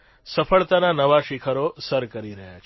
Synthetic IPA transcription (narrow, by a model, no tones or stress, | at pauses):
səfəɭt̪ananəʋaʃikʰəɾosəɾkəɾiɾəɦja̰t͡ʃʰ